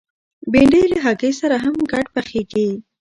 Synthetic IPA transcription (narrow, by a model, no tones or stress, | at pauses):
beɳɖejləɦaɡesaɾaɦamɡɑʈpaxeɡi